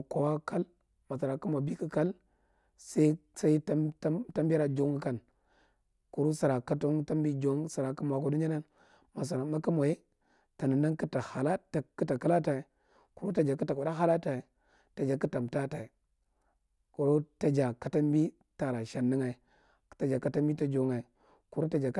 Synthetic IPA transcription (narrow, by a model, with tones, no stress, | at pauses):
ko˨wa˦ka˦l | ma˨sa˨ɾa˨ku˦mo˨bi˦ki˦ka˦l | sa˦i˦sa˦i˦ta˦ta˦ta˦mbɾa˨d͡ʒo˦ŋ˦ka˦˨n | ku˨ɾu˦sa˨ɾa˨ka˦to˦ŋta˦mbi˦d͡ʒo˦ŋsa˨ɾa˨ka˦m˨a˨ko˦du˦ɲa˦na˦n | ma˨s̬a˨ɾa˨ma˦ki˦mo˨je˦ | ta˨nə˨na˦ŋki˦ta˨ha˨la˦ta˨ki˦ta˨ka˦la˦ta˨i˨ | ku˨ɾu˦ta˨d͡ʒa˨ki˦ta˨ka˨da˦ɦa˦la˦ta˨i˨ | ta˨d͡ʒa˨ki˦ta˨mta˦ta˨i˨ | ku˨ɾo˦ta˨d͡ʒa˨ka˨ta˦mbi˦ | ta˨ɾa˨ʃa˨nːi˦ŋa˨i˨ | ta˨d͡ʒa˨ka˨ta˦mbi˦ta˦d͡ʒo˨˦ŋa˨i˨ | ku˨ɾu˦ta˦d͡ʒa˨k